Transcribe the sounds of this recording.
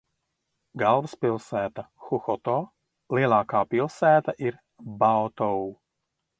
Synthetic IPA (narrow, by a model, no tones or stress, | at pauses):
ɡalˠvspilˠsæːt̪axuxɔt̪ɔː | liɛlˠaːkaːpilˠsæːt̪aʔiɾ | bawt̪ɔw